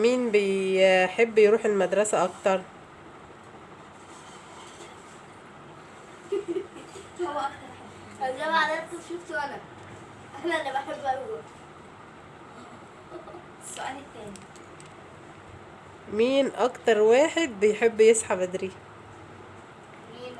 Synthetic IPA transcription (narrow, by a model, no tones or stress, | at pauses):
miːnbejħebːjɾuːħelmæd̪ɾˤɑsæʔɑkt̪ɑɾˤ | læbaʕd̪æt̪uʃuft̪oʔænæ | ʔælːæʔenæbaħebːʔæwæ | soʔæːlet̪ːæːni | miːnʔɑkt̪ɑɾˤwæːħed̪̚bejħebːjesħabæd̪ɾi | iːn